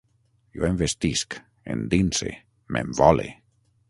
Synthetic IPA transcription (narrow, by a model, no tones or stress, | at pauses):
joembest̪isk | ḛnd̪inse | membɔlḛ